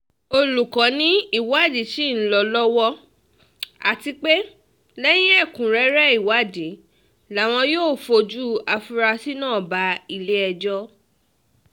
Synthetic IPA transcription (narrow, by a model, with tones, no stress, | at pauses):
o˧lu˨kã˨˦nĩ˦i˦˨wa˦˨di˨˦ʃi˦˨n̩˦lɔ˧lɔ˦wɔ˦ | a˨ti˧k͡pe˦ | lɛ˦j̃ĩ˦ɛ˦˨kũ˨ɾɛ˨˦ɾɛ˦i˦˨wa˨˦di˨˦ | la˨˦˨w̃ɔ̃˧joː˦˨fo˧d͡ʒu˦a˧fu˧˦ɾa˧si˦nãː˦˨ba˧˦i˧le˦ɛ˧d͡ʒɔ˦